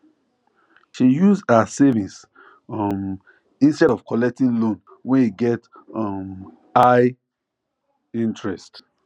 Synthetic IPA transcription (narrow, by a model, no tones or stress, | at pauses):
ʃijuzasɛvĩs | m | ĩnstɛdɔv̥kɔlɛk̚tĩnlõn | wɛ̃niɡɛt | ɔm | aɪ | ĩntɹɛst